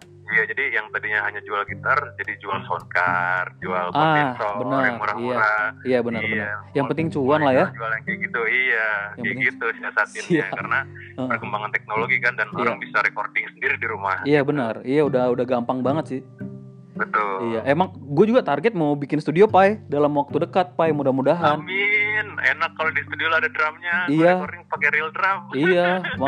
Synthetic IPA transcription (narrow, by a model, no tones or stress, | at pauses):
ijad͡ʒadijaŋt̪adiɲaɦaɲad͡ʒualɡit̪ard͡ʒadid͡ʒualsonkard͡ʒualʔasɔbənəarmuɾaiuaɾaijabənərbənəajaŋpənt̪ɪŋt͡ʃuanlahjad͡ʒualaŋkaɡit̪uijajaŋaɡit̪usiasat̪̚ɪijakaɾəna | əʔərkəmbaŋant̪ɛk̚noloɡikandanoijɾaŋbisaɾekordɪŋsəndiɾidiɾuma̰hijabənərijaudaudahɡampaŋbaŋət̪sɪh | bət̪ʊlijaʔemaŋɡuad͡ʒuɡat̪arɡɛt̪̚mawbikɪnst̪udiopaedalamwak̚t̪udəkat̪̚pajmudahmudaɦanminenakːalodist̪udiolaadadɾamɲaijakordɪŋpakeɾildɾamijama